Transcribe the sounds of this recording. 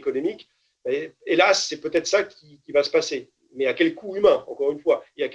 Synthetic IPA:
kɔnɔmik | bɛelasːɛpøt̪ɛt̪χsakʲʰikʲivasə̥pase | mɛakʲɛlkuymɛ̃ɑ̰̃kɔʁynfwaeak

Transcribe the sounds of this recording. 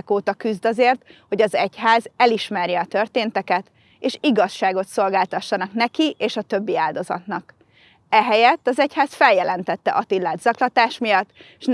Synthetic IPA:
koːt̪ɒkyzd̪ɒzeːrt̪ho̞ɟɒzɛchaːzɛliʃmɛrjɛɒt̪ø̞rt̪eːnt̪ɛkɛt̪ | eːʃiɡɒʃːaːɡo̞t̪so̞lɡaːlt̪ɒʃːɒnɒknɛkiʔeːʃɒt̪ø̞bːiaːld̪o̞zɒ̰t̪nɒk | ɛɦɛjɛt̪ːɒzɛchaːsfɛljɛlɛnt̪ɛt̪ːɛ̰ʔɒt̪ilːaːd̪zɒklɒt̪aːʃmijɒt̪ː | ʃn

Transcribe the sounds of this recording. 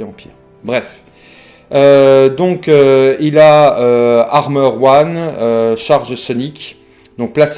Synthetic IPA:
ɑ̃pʰḭː | bʁɛf | ød̪ɔ̃køilaøaʁmœʁwanøʃaʁʒəsɔnik | d̪ɔ̃k̚plas

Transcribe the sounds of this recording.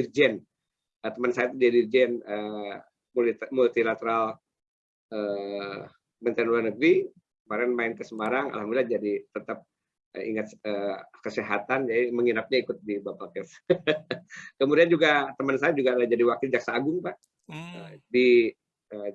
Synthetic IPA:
ird͡ʒɛn | ət̪əmənsajat̪d͡ʒiadird͡ʒɛnə | mumult̪ilat̪əɾal | ə | mənt̪ɾnluarnəɡɾi | kəmaɾɛnmaɪnkəsəmaɾaŋa̰lhamdɪlahd͡ʒadit̪ət̪ap̚ | ə̰ḭŋat̪̚əkəseɦat̪and͡ʒadiməŋinap̚ɲaikʊt̪̚dibapakɛf | kəmudiand͡ʒuɡat̪əmənsajad͡ʒuɡaad͡ʒadiwak̚t̪ɪld͡ʒaksaːɡʊŋpah | ədi | ə

